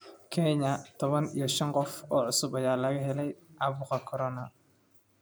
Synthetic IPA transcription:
kʰɛɲɐt̪ʰɔβɐnḭjɞʃɐnqɔfɔːʕʊsʊbɐjaːlɐɣɐɦɛlɛjʔɑβuːqɑkʰɔɾɔnɐ

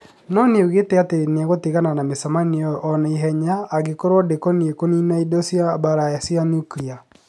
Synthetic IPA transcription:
nɔneoɣeteatenɛɣoteɣananamesamaniɔʔːnɛiɦɛɲaːɡekoɾwɔdekɔniekoninaidosiabaɾajasianuklia

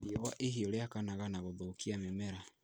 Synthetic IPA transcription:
iɔwaʔehioleakanaɣanaɣoðokiamemɛɾa

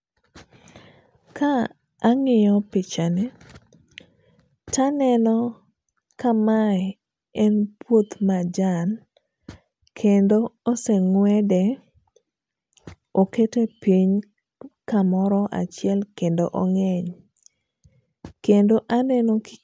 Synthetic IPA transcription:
kʰaː | ŋɪjɔpɪt͡ʃanɛ | tanɛnɔ | kama | ɛnpwot̪mad͡ʒan | kʰendooseŋwɛdɛ | oketepiɲ | kamɔɾɔʔa̰t͡ʃjɛlkendoʔoŋɛɲ | kendoʔanɛnɔk

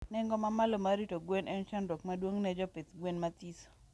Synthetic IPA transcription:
nɛŋɡɔmamalomaɾitoɡwenʔɛnt͡ʃandokmadwoŋnɛd͡ʒɔpet̪ɡwenmat̪iso̥

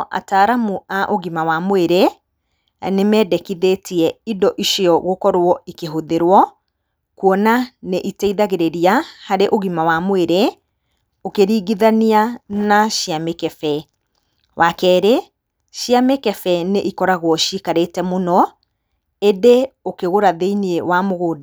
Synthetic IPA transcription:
ʔa̰taɾamuʔaʔoɣimawamoeɾe | nemɛːdɛkiðetiɛidɔʔiʃiɔɣokɔɾwɔikeɦoðeɾwɔ | kwɔnaneʔitɛiðaɣeɾeɾiahaɾeʔoɣimawamoeɾe | okeɾiːɡiðanianaʃiamekɛfɛ | wʔakɛːɾe | ʃiamekɛfɛneʔikɔɾaɣwɔʃikaɾetɛmonɔ | edeokeɣoɾaðeiniewamoɣoːda

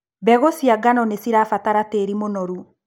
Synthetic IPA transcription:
bɛɣosiaɡanɔnesiɾafataɾateɾimonɔɾu

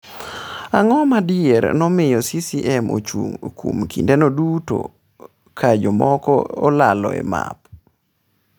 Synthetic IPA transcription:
aŋɔmadɪeɾnɔmɪjɔsisiʔɛmo̰t͡ʃuŋkwumkindɛnoduto̰ | kʰad͡ʒɔmɔkɔolalɔ̰ḛma̰p

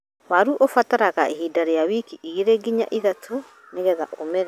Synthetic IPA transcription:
waɾuʔofataɾaɣaʔeɦidaɾejawikiʔiɣeɾeɡiɲa̰ʔiðatʰo | neɣɛða̰ʔomɛɾɛ

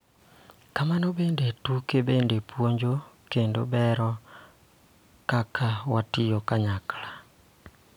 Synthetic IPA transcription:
kamanobendetukebendepwoɲd͡ʒokendobɛɾɔ | kakʰawatijɔkaɲakla

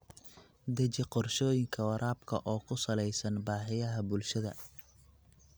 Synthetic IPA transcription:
d̪ɐt͡ʃɪqɔrʃɔːjɪŋkʰɐwɐɾʔaːbkʰɐ̰ʔɔːkʰʊsɐlɛjsɐnbaːħɪjɐɦɐbʊlʃɐðɐ̰

